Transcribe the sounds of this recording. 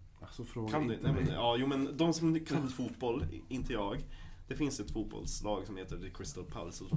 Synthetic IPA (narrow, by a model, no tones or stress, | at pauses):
kʰanɛmɛnɑːjuːmɛnd̪ɔmsɔmkʰafuːt̪̚bɔlːɪnt̪ʰəjɑːɡd̪̥ɛfɪnsɛt̪fuːbɔ̰lslɑːɡsɔmheːt̪əkʰɾɪst̪ɔlpʰa̰lsɔdɔ